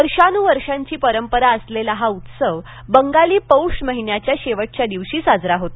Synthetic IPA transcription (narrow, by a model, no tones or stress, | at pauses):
əɾʂanuːʋəɾʂaɲt͡ɕiːpəɾəmpəɾaəslelaɦaut̪səʋ | bəŋɡaliːpəwʂməɦinjat͡ɕjaɕeʋəʈ̚t͡ɕjad̪iʋɕiːsad͡zɾaɦot̪